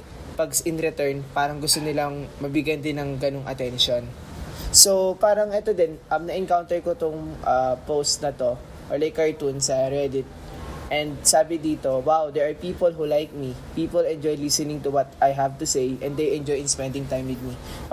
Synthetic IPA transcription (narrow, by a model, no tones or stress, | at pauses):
pɐɡsɪnɾɛt̪ɛɹnpaːɾɐŋɡʊst̪onɪlaŋmɐbɪɡjɐnd̪ɪnːɐŋɡɐnoŋʔɐ̰t̪ɛnʃon | sowpaːɾɐŋʔɛt̪od̪ɛnʔɐmnɐʔɪŋkawnt̪ɛɹkot̪ʊŋʔɐpowst̪̚nɐt̪o̞ | ʔɔɹlajkːɐɹt̪unsɐɹɛd̪ɪt̪̚ | ʔɛ̃nd̪̚saːbɪd̪iːt̪owawd̪ɛɹʔɐɹpiːpolɦulajk̚mipiːpolɛnd͡ʒojlisɛnɪ̃ŋt̪ʊwɐt̪ʔajɦavt̪ʊsejʔɛ̃nd̪ejʔɛ̃nd͡ʒojɪnspɛnd̪ɪŋt̪ajmwɪd̪̚mi